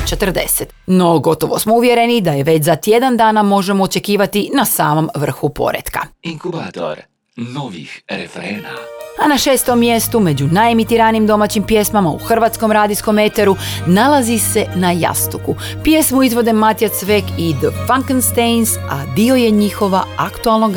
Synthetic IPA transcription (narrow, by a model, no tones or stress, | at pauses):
t͡ʃe̞t̪r̩d̪e̞̰set̪no̞ɡo̞t̪o̞ʋo̞smouʋje̞ɾe̞nid̪ajeʋe̞t͡ɕzat̪je̞d̪and̪aːnamo̞ʒe̞moːt͡ʃe̞kiːʋat̪inasaːmo̞mʋr̩xupo̞̰ɾḛt̪ka̰iŋkubaːt̪o̰ɾ | noʋḭxɾḛfɾeːna̰anaʃe̞ːst̪omːje̞st̪ume̞d͡ʑunaemit̪iɾanimd̪o̞mat͡ɕimpje̞smamaṵxr̩ʋat̪sko̞mɾaːd̪isko̞met̪eɾunalazise̞naja̰st̪uku | pje̞smuizʋo̞d̪e̞mat̪ijat̪sʋekid̪əfaŋknst̪ejnsa̰d̪io̞je̞ɲixo̞ʋaakt̪ualˠnoɡ